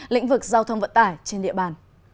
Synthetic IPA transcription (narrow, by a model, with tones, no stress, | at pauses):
lḭ̈˧˥ŋ̟vɨ˨˩k̚zaː˧wt̪ʰə˧wŋ͡mvə̰˧˨nt̪aː˧˩jt͡ɕe˧nɗḭ˧˨əɓaː˧˩n